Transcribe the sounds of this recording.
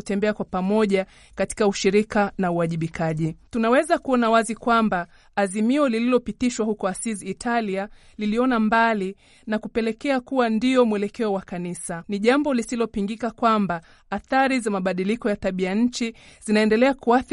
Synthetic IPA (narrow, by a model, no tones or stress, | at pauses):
tɛmbɛakwapamɔʄa | kati̥kauʃiɾikanauaʄiɓikʰaʄitunawɛzakuɔnawazikwambaː | zimiɔlililɔpitiʃwahukɔasiziːtʰalia | liliɔnambali | nakupɛlɛkɛakuwandiɔmwɛlɛkɛɔwakanisaniʄambɔlisilɔpiŋɡikakwamba | aθaɾizamaɓaɗilikɔjataɓiaɲ̩t͡ʃizinaɛndɛlɛakuaθ